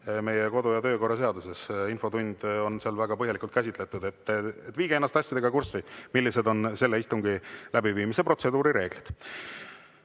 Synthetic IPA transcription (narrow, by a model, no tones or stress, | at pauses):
me̞jeko̞d̪ujɑt̪ø̞ːko̞rːɑs̬e̞ɑd̪use̞sinfo̞t̪unʲd̪̥o̞nseɑlvæɡɑpɤɦjelikult̪̚kæs̬ʲit̪le̞t̪ud̪e̞t̪ːˑet̪ːˑviːɡeenːɑst̪ɑsʲjɑd̪eɡ̥ɑkursimilːise̞d̪o̞nse̞lːeist̪uŋɡ̥ilæbiviːmisepro̞t̪se̞d̪uːɾiɾe̞ːɡ̥lid̪̥